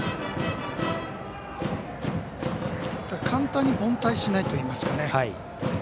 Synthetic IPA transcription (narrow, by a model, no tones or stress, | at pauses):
d̪akʰãnt̪ãɲ̟ːibõ̞nt̪aiɕinait̪o̞iːmasɨ̥kane̞